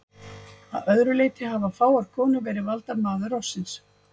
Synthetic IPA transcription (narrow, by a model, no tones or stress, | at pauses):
a̰ðœðɾʏleːjt̪ɪhavafaːwaɾ̥kʰɔːnʏvɛːɾɪvalt̪amaːðʏrɔsːɪns